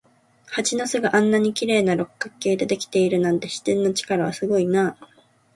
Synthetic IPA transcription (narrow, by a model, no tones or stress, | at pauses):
hat͡ɕinasɨɡaʔãnːaɲ̟ikʲiɾe̞ːnaɾo̞kkːakːe̞ːd̪e̞d̪e̞kʲi̥t̪e̞iɾɯ̟nãnt̪e̞ɕi̥t̪ẽ̞nːo̞t͡ɕi̥kaɾaβasɨɡo̞inaː